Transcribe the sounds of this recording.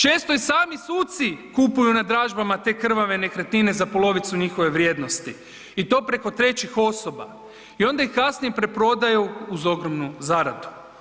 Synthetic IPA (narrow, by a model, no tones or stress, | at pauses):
t͡ʃe̞ːst̪o̞isaːmisuːt̪sikupujunad̪ɾaːʒbamat̪e̞ːkr̩ʋaʋe̞ne̞kɾet̪nine̞zapo̞lo̞ʋit̪suɲixo̞ʋe̞ʋɾje̞ːd̪no̞st̪i | it̪o̞ːpɾe̞ko̞t̪ɾe̞t͡ɕixo̞so̞ba̰ | io̞nd̪aixkasnijepɾepɾo̞d̪ajuuzo̞ɡɾomnuzaɾad̪u̥